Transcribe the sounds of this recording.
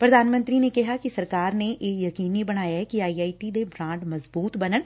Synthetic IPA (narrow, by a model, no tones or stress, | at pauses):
pɾɐd̪ʱaːnmə̃nt̪ɾinekɛɦakisɐɾkaːɾneʔeːkjɐkiːnibɐɽ̃aːjaɦɛkiaːiaːiʈid̪ebʱɾãːɳʈmɐzbuːt̪bɐnəɽ̃